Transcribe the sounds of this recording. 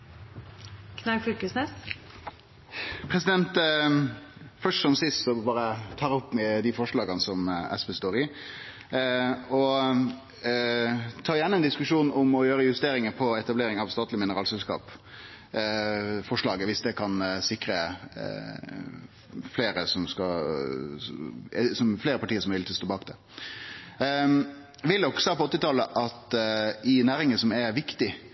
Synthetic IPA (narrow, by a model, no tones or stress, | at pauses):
kʰnɛfylkəsnɛs | pʰɾɛsɪd̪ɛnt̪ | fœʂʈsɔmsɪst̪sɔbɑːɾət̪ʰɑːɾɔpːmɛd̪ɪfɔʂɭɑːɡənsɔmɛ̰sbeːst̪oːɾɪ | ɔ | t̪ʰɑːɾjæːnəɛnd̪ɪskʉʂuːnɔmɔjøːɾəjʉst̪eːɾɪŋəpʰɔɛt̪ɑbleːɾɪŋɑʋst̪ɑːt̪lɪmɪnəɾɑːlsɛlskɑ̰ːp | fɔʂɭɑːɡəʋɪsd̪ɛkʰɑnsɪkɾə | fleːɾəsɔmskɑ | sɔmfleːɾəpʰɑʈʰiːəɾsɔmʋɪlt̪ʰɪlst̪oːbɑːkd̪ɛ | ʋɪld̪ɔksɑːpɔɔt̪ːɪt̪ʰɑləʔɑt̪ɪnæːɾɪŋəsɔmɛɾʋɪkt̪ɪ